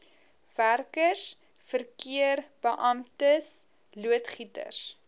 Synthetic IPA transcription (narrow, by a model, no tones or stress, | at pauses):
værkəs | fərkiərb̥əʔɐmtəs | luətχitə̰rs